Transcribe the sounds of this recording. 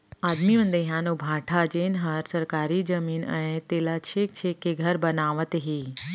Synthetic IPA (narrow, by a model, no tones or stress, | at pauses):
aːd̪miʋə̃nd̪eɦjãnõbʱaːʈʰad͡ʒeːnɦəɾsəɾkaːɾid͡ʒəmiːnə̃ẽt̪eːlat͡ʃʰek̚t͡ʃʰekːeɡʱəɾbənaːʋət̪ɦi